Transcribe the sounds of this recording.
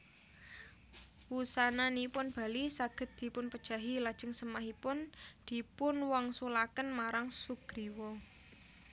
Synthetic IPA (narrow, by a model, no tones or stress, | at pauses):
wusananipʊnb̥a̤lisaɡ̥ə̤t̪̚d̪̥i̤pʊnpəd̥ʒ̥a̤ɦilad̥ʒ̥ə̤ŋsəmaɦipʊnd̪̥i̤pʊnwɔŋsulakənmaɾaŋsuɡ̥ɾiwɔ